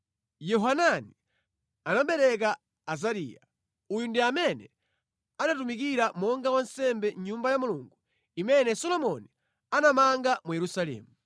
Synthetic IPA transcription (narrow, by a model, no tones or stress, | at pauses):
jɔɦanani | anaɓɛɾɛk̬aː | zaɾḭːja | ujundiamɛnɛ | anatumik̬iɾamɔŋɡawansɛmbɛɲɲumbajamuluŋɡu | imɛnɛsɔlɔmɔni | anamaŋɡamujɛɾusalɛ̰ːmu